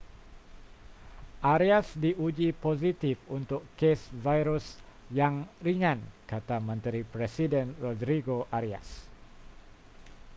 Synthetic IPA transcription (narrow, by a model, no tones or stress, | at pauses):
ʔaɾiasdiʔud͡ʒiposit̪ifunt̪ʊkkesvajɾus | jaŋriŋãnkat̪amə̃nt̪ɾipɾesidɛnrodɾiɡoʔaɾia̰s